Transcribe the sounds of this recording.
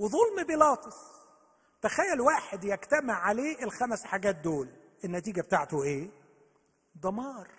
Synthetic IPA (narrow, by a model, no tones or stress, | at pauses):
weðˤolmbelɑːt̪ˤesˤ | t̪æxæjːælwaːħed̪jæɡt̪æmeʕʕaleːʔelxæmæsħaɡæːt̪̚d̪oːlʔenːæt̪iːɡæbet̪aʕt̪oʔeː | d̪ˤɑmɑːɾˤ